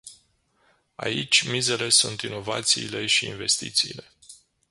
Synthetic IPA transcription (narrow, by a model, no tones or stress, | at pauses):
a̰it͡ʃʲmize̞le̞sunt̪ino̞vat̪siːle̞ʃiːnve̞st̪ḭt̪siːle̞